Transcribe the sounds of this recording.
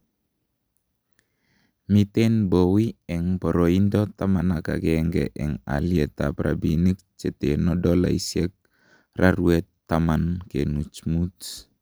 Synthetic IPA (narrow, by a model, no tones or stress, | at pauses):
mit̪ɛnbowiɛŋpɔɾoindɔt̪amanaka̰ɡɛŋɡɛ̰ʔɛŋa̰liɛt̪apɾa̰binik̚t͡ʃɛt̪enɔdɔla̰isiɛk̚ | rʔaɾuɛt̪ːamankenut͡ʃmut